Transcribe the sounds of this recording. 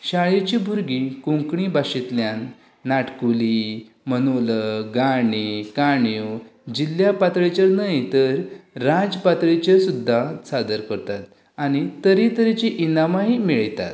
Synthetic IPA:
ɕaɭet͡ɕibʱuɾɡikũŋkɳibaɕit̪ljanː | aʈkuli | mənoləɡaɳikaɳjud͡ʑiljapat̪ɭet͡ɕəɾnəjt̪əɾːad͡zpat̪ɭit͡ɕesud̪ʱːasad̪əɾkəɾt̪at̪̚ | añit̪əɾit̪əɾit͡ɕiʔinamaɦimeɭt̪a̰t̪

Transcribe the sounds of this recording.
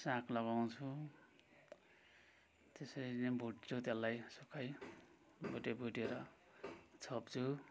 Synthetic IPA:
sãklʌɡaw̃t͡sʰu | t̪esʌɾinebʱuʈt͡sʰut̪jalːajsukʰaj | bʱuʈebʱuʈeɾʌ | t͡sʰʌpt͡sʰu

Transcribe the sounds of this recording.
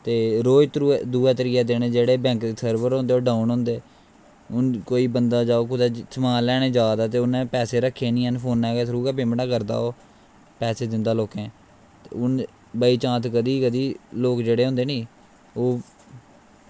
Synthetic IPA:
t̪eːɾoːd͡ʒt̪ɾud̪uːɛːt̪əɾɪjaːd̪eːɽ̃ẽːd͡ʒeːɽeːbɛ̃ːŋkesʰəɾbəɾɦõːnd̪eoːɖaːunɦõːnd̪eː | ʊnkoːiːbənd̪aːd͡ʒaːoːkʊd̪aːsʰəmãːlɛːɽ̃ẽːd͡ʒaːd̪aːt̪̬eːʊnẽːpɛːseːɾəkʰːeːnĩːɦənpʰoːnɛːɡɛːt̪ʰɾuːkɛːpemʈaːkəɾd̪a̰ːoː | pɛːseːd̪ɪnd̪aːloːkɛ̃ː | t̪ːʊn | bəiːt͡ʃãːt̪kəd̪iːkəd̪iːloːkd͡ʒeːɽeːɦʊ̃ːnd̪eːnĩː | oː

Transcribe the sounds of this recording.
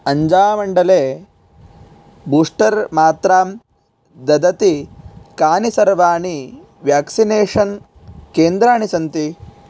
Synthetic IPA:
ɐɲd͡ʒaːmɐɳɖɐleː | buːʂʈɐɾmaːt̪ɾaːm | d̪ɐd̪ɐt̪ikaːnisɐɾʋaːɳi | ʋjaːksineːʂɐn | keːnd̪ɾaːɳisɐnt̪i

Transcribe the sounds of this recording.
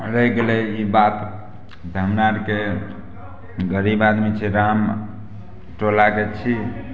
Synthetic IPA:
ɾəɡelɛibat̪ | d̪ʱəmnaɾke | ɡəɾibad̪mit͡ʃʰɛɾam | ʈolaket͡ʃʰi

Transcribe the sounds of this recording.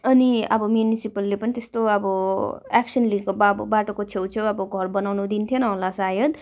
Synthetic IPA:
ʌniʌ̰bʌmjunisipʌlːepʌnit̪est̪oʌbʌaksʌnlikobabbaʈokot͡sʰewt͡sʰewʌbʌɡʱʌrbʌnawnud̪int̪ʰjonʌɦolasajʌd̪

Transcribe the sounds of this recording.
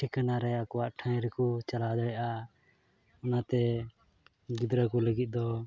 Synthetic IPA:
ʈʰikanaɾɛjakɔwaʔʈʰãjɾɛkut͡ʃalad̪ɔjʔa | ɔnat̪ɛ | ɡid̪ɾəkɔləɡit̪̚ˀd̪ɔ

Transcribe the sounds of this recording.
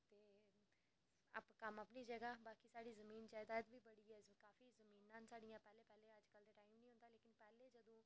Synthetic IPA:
t̪eː | a̰pkəməpniːd͡ʒəɡaːbaːkiːsaːɽiːzəmiːnt͡ʃaːɪd̪aːt̪biːbəɽiːɛːkaːfiːzəmĩːnãːnsaːɖijãːpɛːleːpɛːleːəd͡ʒkəld̪eːʈaːimnĩɦʊ̃nd̪aːleːkɪnpɛːleːd͡ʒəd̪õː

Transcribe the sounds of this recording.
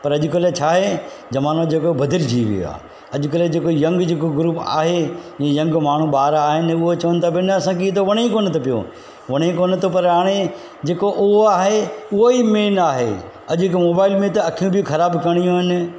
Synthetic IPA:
pɐɾɐʄʊkɐlet͡ɕʰaːɦe | d͡ʑɐʋaːnod͡ʑeːkobʱɐd̪ɪld͡ʑiːʋḭjo̰a̰ː | ɐʄʊkɐled͡ʑeːkojɐ̃ŋɡd͡ʑeːkoɡɾuːpa̰ːɦejẽːjɐ̃ŋɡmaːɳ̤ũɓaːɾaːɦɪnɪʊɦot͡ɕɐʋənɪ̆t̪ʰabɪnɐɐsãːkiet̪oʋɐɽ̃ẽkoːnɪt̪ʰopijo̰ | ʋɐɽ̃ẽkoːnɪt̪ʰopɐɾɦaːɽ̃e | d͡ʑeːkoʔʊɦoaːɦeʊɦoimeːnaːɦḛ | ɐʄɪkmoːbaːɪlmẽt̪ɐɐkʰijũbʱɪxʰɐɾaːbkɐɽ̃ijũɦɪnɪ̆

